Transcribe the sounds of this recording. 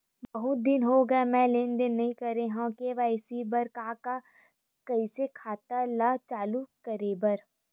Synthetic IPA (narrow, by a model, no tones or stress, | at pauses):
bɐɦʊt̪̚d̪ɪnɦoɡɐemɛ̃leːnd̪ɪnːɐɦĩkɐɾeɦãkeʋasibɐɾkãːka | kɐisekʰaːt̪alat͡ʃaːlukɐɾeːbɐɾ